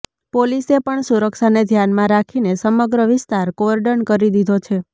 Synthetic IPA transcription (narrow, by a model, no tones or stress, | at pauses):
polisepəɳsuɾəkʃaned̪ʱjanmãɾakʰinesəməɡɾəʋɪst̪aɾkoəɾɖənkəɾid̪id̪ʱot͡ʃʰe